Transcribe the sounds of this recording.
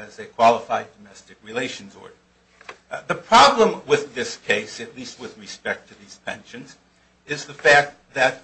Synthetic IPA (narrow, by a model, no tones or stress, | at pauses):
ɨzɨkʰw̥ɑlˠəfaɪdɨmɛstɨkɹileɪʃɨ̃n̩zɔ̰ɹdə˞ | ðɨpʰɹ̥ɑblə̃mwɪðɪskʰeɪsɨtˡlist̚wɨðɹɨspɛk̚tʰɨðiz̥pʰɛ̰̃nʃɨ̃nz | ɪzðɨfæk̚t̚ | ðɨt̚